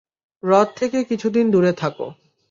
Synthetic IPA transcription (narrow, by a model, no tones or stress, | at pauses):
ɾɔt̪̚t̪ʰːekekit͡ɕʰud̪ind̪uɾet̪ʰako̰